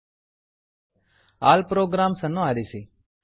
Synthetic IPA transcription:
a̰ːlpɾoːɡɾaːmsənõaːɾiːsiː

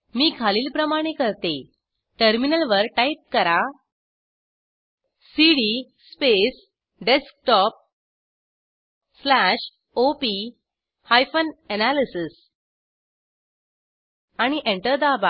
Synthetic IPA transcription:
miːkʰaliːlpɾəmaɽ̃ekəɾt̪e | ʈəɾminəlʋəɾʈaip̚kəɾa | siɽispes | ɖesk̚ʈɔp̚ | slaɕ | opi | hajfənɛnalisis | aɽ̃iʔeɳʈəɾd̪aba

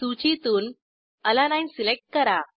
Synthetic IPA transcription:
t̪ut͡ɕit̪uːn | əlanaj̃silek̚ʈ̚kəɾa

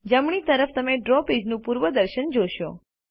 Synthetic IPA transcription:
d͡ʒəmɳit̪əɾəft̪əmeɖɾɔpid͡ʒnũpuɾʋəd̪əɾʃənd͡ʒoʃo̰

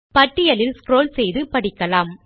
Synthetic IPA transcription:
pɐʈːɪjɐlɪlskɾoːlsɛjðɯpɐɽɪkːɐlaːm

